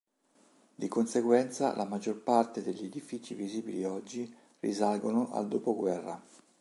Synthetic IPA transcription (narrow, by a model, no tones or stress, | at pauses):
d̪ikonseɡwɛnt̪sa̰lʔamad͡ʒːorpart̪ed̪eʎːied̪ifiːt͡ʃiviziːbiliɔd͡ʒːi | rḭzalɡonoʔa̰ld̪oːpoɡwɛrːa